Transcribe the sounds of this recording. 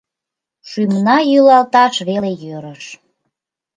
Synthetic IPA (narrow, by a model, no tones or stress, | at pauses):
ʃymnɑjylɑlt̪ɑʃβelejøɾəʃ